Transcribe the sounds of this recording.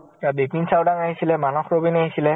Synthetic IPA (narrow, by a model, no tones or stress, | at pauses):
abekninsawdaŋaɦisilɛmanɔxɹobinaɦisilɛ